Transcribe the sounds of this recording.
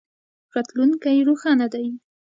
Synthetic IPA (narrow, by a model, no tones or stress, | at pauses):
ɾɑt̪lunkajɾoxɑnad̪aj